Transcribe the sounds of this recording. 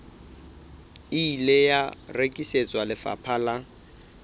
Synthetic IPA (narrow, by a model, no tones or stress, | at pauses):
iilejarekʼiset͡sʼwalɪfa̰pʰala